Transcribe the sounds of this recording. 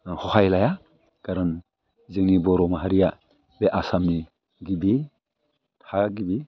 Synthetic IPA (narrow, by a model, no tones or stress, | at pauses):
hɔhajlaja | ɡ̥aɾɯn | zɯŋnibɔɾɔmaɦaɾija | beʔasamni | ɡibi | tʰaɡibi